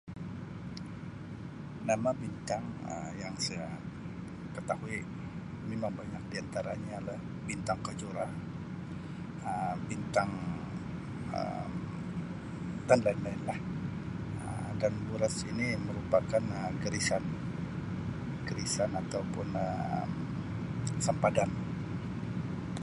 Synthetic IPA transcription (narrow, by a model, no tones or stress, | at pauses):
namabint̪aŋə̰jaŋsaa | kət̪ahui | mimaŋbaɲak̚diant̪aɾa̰ɲalah | bint̪aŋkad͡ʒoɾa | əbint̪aŋ | ə̰m | t̪anlaɪnlaɪnlah | ə̰ | danbuɾasiniməɾupakanəɡəɾisan | ɡəɾisanat̪awpʊnəm | səmpadan